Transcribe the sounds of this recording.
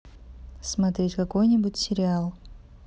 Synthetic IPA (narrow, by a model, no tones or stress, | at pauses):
smɐt̪ɾʲetʲkako̞jnʲɪbutʲsʲɪɾʲɪalˠ